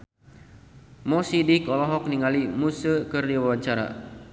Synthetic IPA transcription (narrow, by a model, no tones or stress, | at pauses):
mɔsidikɔlɔɦɔk̚niŋalimusəkɨrdiwawaɲt͡ʃaɾa̰